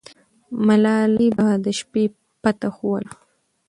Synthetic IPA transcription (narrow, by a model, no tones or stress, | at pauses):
malɑlibad̪əʃpe | pat̪axowəl